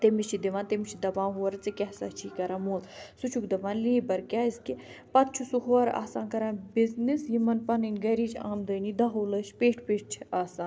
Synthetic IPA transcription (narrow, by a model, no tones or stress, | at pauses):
t̪emit͡ʃʰid̪iʋãːnt̪emit͡ʃʰid̪ɐbãːɦuɐɾt͡sɨkʲɛɦsɐt͡ʃʰiːkɐɾãːmoːlsut͡ʃʰukd̪ɐʋãːnliːbɐɾkʲaːiskipɐt̪̚t͡ʃʰusuɦoɐɾʔa̰ːsaːnkɐɾãːbiznisjimɐnpɐnɐnʲɡɐɾiːt͡ʃʰa̰ːmd̪əːniːd̪ɐɦoːlɐʃʰpeːʈʰpeːʈ̚t͡ʃʰiaːsãːn